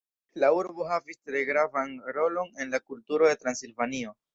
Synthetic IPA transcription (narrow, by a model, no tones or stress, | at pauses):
lauɾbo̞ɦavistɾe̞ɡɾavanɾo̞lo̞ne̞nlakultuɾo̞d̪e̞t̪ɾansilvanio̞